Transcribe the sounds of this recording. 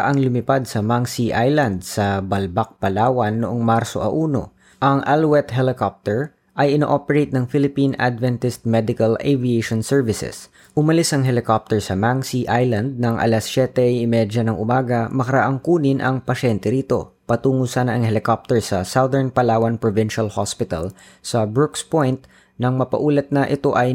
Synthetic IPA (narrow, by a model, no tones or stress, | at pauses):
a̰ʔaŋlʊmɪpad̪̚sɐmaŋsiʔajland̪̚sɐbɐlbak̚pɐlaːwɐnːoʔoŋmaɾso̞ʔɐ̰ʔuːno̞̰ | ʔɐŋʔalwɛt̪ɦɛlɪkop̚t̪ɛɹ | ʔɐjʔɪno̰ʔopɛɹejt̪̚nɐŋfɪlɪpina̰d̪vɛnt̪ɪst̪̚mɛd̪ɪkɐleviejʃonsɛɹvɪsɛ̰s | ʔʊmɐlɪsʔɐŋɦɛlɪkop̚t̪ɛɹsɐmaŋsiʔajlɐnd̪̚nɐŋʔɐ̰lasːɛt̪ɛjɪmɛd͡ʒɐnɐŋʔʊmaːɡɐmɐkɐɾɐʔaŋkuːnɪnʔɐ̰ŋpɐʃɛnt̪ɛɾiːt̪o̞̰pɐt̪uːŋosanɐʔɐŋhɛlɪkop̚t̪ɛɹsɐsad̪ɛɹnpɐlaːwɐnpɹovɪnʃɐlhospɪt̪ɐ̰l | sɐbɹʊkspojnt̪ | nɐŋmɐpɐ̰ʔuːlɐt̪̚nɐʔɪt̪o̞ʔɐj